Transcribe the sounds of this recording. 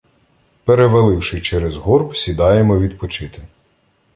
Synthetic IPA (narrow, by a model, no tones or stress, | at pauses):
peɾeʋɐlˠɪwʃɪt͡ʃɛɾɛzɦɔrbsʲid̪ɑjemɔʋʲid̪pɔt͡ʃɪt̪ɪ